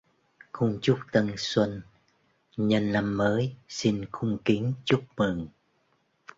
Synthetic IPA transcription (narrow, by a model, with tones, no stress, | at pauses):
xʊ˧ŋ͡mt͡ɕʊ˦˥k͡p̚t̪ə˧ŋswə˧n | ɲə˧nla˧mːəː˨˦jsi˧nxʊ˧ŋ͡mki˨˦ŋt͡ɕu˦˥k͡p̚mɨ˨˩ŋ